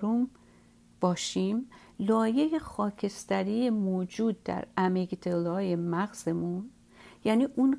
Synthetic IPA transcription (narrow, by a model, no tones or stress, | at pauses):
ɾum | b̥ɒːʃim | lɒːjejexɒːcʰest̪æɾiːjemoːd͡ʒuːd̪̚ːæ̰ɾæmeɡd̪elɒːjemæɣz̥e̞mun | jæːniːʔun